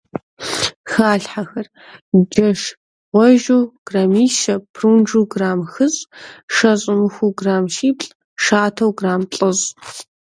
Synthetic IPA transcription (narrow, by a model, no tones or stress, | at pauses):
xaːɬħaxɐr | d͡ʒɐʂ | ʁʷɔʒuwɡ̥ramiːʃɐpʰruːnd͡ʒuːɡraːmxɨɕʼʂɐɕʼɪmɨxʷuɡraːmʃiːpɬʼ | ʂaːtʰɐwɡraːmɬʼɨɕʼ